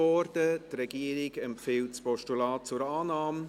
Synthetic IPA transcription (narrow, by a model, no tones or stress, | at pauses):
ɔɾdətrɛɡ̥iːɾɪɡɛmfiːlt͡spɔʃtulɑːt͡suɾaːnɑːm